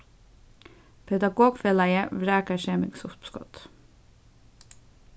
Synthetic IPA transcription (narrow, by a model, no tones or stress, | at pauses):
pʰɛd̪ɑɡoːɡfeːlɑɪəʋɾæːkəʃeːmɪ̰ɡsʊpskɔ̰t̪